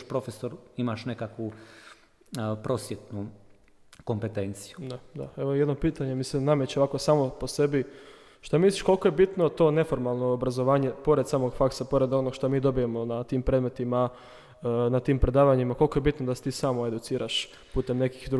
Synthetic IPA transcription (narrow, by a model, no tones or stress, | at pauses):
ʃpɾo̞fesoɾimaʃnekakʋu | pɾosjet̪nu | ko̞mpet̪ent̪sijud̪ad̪a̰eʋojed̪nopiːt̪aɲemisimnamet͡ɕo̞ʋako̞saːmo̞pose̞bi | ʃt̪amislʲiʃkolkoje̞bit̪no̞t̪o̞ːne̞fo̞ɾmalˠnoːbɾazoʋaːɲe̞po̞ɾe̞d̪saːmo̞ɡfaksapo̞ɾe̞d̪o̞no̞ɡʃt̪omiːd̪o̞bijemo̞nat̪iːmpɾed̪me̞t̪ima | nat̪iːmpɾe̞d̪aːʋaɲimako̞lko̞jebit̪nod̪ase̥t̪iːsaːmoe̞d̪ut̪siːɾʔaʃ | puːt̪e̞mne̞ki̥xd̪u